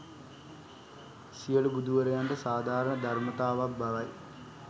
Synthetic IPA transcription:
ɕijɐɭubud̪ʱuʋɐɾɐjaːnɖesaːd̪ʱaːɾɐɳɐd̪ʱɐrmɐt̪aːʋɐbɐʋɐj

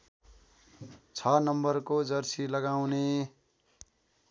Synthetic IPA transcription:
t͡sʰʌnʌmbʌrkod͡zʌrsilʌɡawne

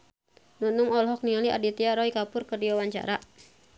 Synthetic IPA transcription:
nunuŋɔlɦɔk̚nialiʔa̰dit̪iaɾɔikapʊrkərdiwawaɲt͡ʃa̰ɾa

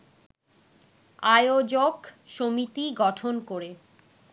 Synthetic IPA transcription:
ajod͡ʑokʃomit̪iɡɔʈʰonkoɾe

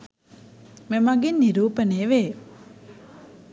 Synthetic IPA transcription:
memaɡinːiɾuːpəneːʋe

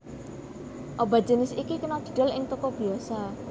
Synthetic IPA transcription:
ʔoba̤d͡ʒənɪsikikunɔd̪̥i̥̤ɖ̥a̤lɪŋt̪ɔkɔb̥iasa

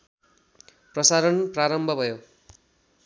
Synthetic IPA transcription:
prʌsaɾʌnpraɾʌmbʱʌbʱʌjo

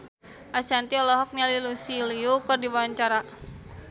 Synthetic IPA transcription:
ʔasant̪iɔlɔɦɔk̚nalilusiliukərdibawaɲt͡ʃaɾa

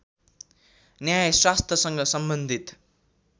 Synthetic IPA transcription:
njajswast̪ʰʌsʌŋɡʌsʌmbʌnd̪ʱit̪

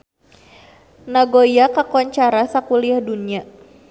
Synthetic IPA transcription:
naɡojakakɔɲt͡ʃaɾasakuliahdunia

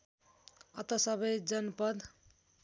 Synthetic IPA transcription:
ʌt̪ʌsʌbʌjd͡zʌnpʌd̪

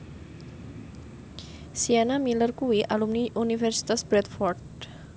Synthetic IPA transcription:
sianamilərkuwiʔalumniʔunifɛrsi̥t̪asbɾɛt̪fɔrd̪̚

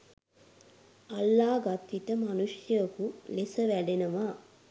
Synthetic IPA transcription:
ɐlːaːɡɐt̪ːit̪ɐmɐnuʂjɐkulesɐʋɛɽenɐʋa

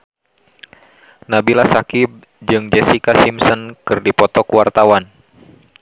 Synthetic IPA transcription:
nabilasakib̚ | d͡ʒɨŋd͡ʒɛsikasimsɔnkɨrdipɔt̪ɔkuwart̪awan

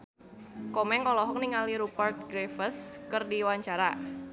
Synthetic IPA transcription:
kɔmɛŋkɔlɔɦɔk̚niŋaliɾupart̪̚ɡɾefəskərdiwaɲt͡ʃaɾa

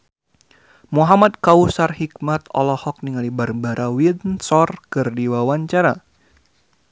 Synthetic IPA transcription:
muɦamad̪̚kausarhikmat̪ɔ̰lɔhɔk̚niŋalibarbaɾʔawinsɔrkɨrdiwawaɲt͡ʃaɾa

